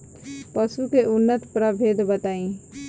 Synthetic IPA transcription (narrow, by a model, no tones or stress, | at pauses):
pəsukeʔʊnːət̪pɾəbʱeːd̪ʱbət̪aːĩ